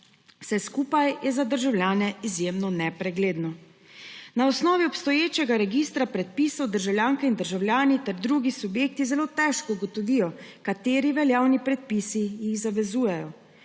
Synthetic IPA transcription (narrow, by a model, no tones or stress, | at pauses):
wsɛskuːpajjɛzad̪əɾʒawljaːnɛizjemnɔnɛpɾɛɡleːd̪nɔ | naɔsnɔːʋiɔpst̪ɔjeːt͡ʃɛɡaɾɛɡist̪ɾapɾɛt̪̚pisɔwd̪əɾʒawlʲjaŋkɛind̪əɾʒawljaːnit̪ɛɾd̪ɾuɡisubjeːk̚t̪izɛloːt̪ɛʃkɔuɡɔt̪ɔʋijɔkat̪eːɾiʋɛljaːwnipɾɛt̪̚pisijixzaʋɛzuːjɛjɔ